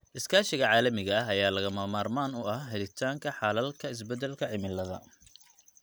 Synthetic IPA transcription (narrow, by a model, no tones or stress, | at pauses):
ʔɪskʰaːʃɪɣɐʕɑːlɐmɪɣɐɦɐjaːlɐɣɐmaːmaːrmaːnʊɐhɦɛlɪt̪ʰaːŋkʰɐħɑlɐlkʰɐɪs̬bɛd̪ɛlkʰɐʕɪmɪlːɐðɐ̰